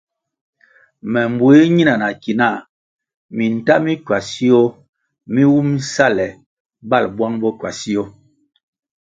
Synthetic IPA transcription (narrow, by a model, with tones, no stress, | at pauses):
mɛ˨m˨bwe˦ɲi˦na˨na˨ki˨na˦˨ | mi˨n̩˨ta˦mi˦kwa˨si˦ɔ˦ | mi˦wu˦m˦sa˦lɛ˨ | ba˦lbwa˦ŋbɔ˦ka˨si˦o˦